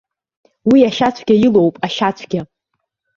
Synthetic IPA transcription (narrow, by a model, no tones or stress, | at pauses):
wiaʃat͡ɕʷʰɡʲajilowpʼaʃat͡ɕʷʰɡʲa